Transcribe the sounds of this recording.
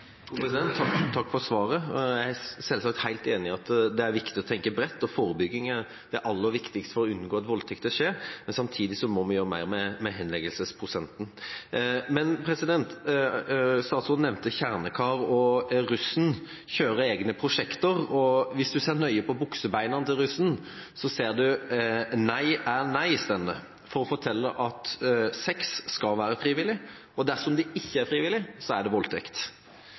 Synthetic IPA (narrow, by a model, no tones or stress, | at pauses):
ɛd̪ɛnt̪ʰːɑkːfɔɾsʋɑːɾəjæɪæsɛlsɑk̚t̪hæɪlt̪eːnɪɑt̪d̪ɛæɾʋɪkt̪ɪɔt̪ʰɛŋkəbɾɛt̪ːɔfoːɾəbʏɡːɪŋə | d̪̥ɛæɾʔɑlːəɾʋɪkt̪ɪkst̪fɔɾɔʉnːɡoːɑt̪ʋɔlt̪ʰɪk̚t̪əʂeːɾmɛnsɑmt̪ʰiːd̪ɪsɔmɔmɑnjøːɾəmæ̰ɪɾmɛmɛɦɛnlɛɡəlsəspʰɾʊsɛnt̪n̩ | mɛnpʰɾɛsɪd̪ɛnt̪ | st̪ɑːt̪sɔnɛʋnt̪əçæʁnəkʰɑːɾɔɾʉsn̩ | çøːɾəeːɡnəpʰɾʊʂɛkt̪əɾɔʋɪsd̪ʉseːʁnœʏəpɔbʊksəbæɪnənət̪ʰɪlɾʉsn̩ | sɔseːʁd̪ʉ | næɪæɾnæɪst̪ɛnːə | fɔɾɔfɔʈ̪ʰɛlːəʔɑt̪sɛksːkɑlʋæːɾəfɾiːʋɪlːɪ | ɔd̪æsɔmd̪ɛɪçːəæɾfɾiːʋɪlːɪsɔæɖɛʋɔlt̪ʰɛkt̪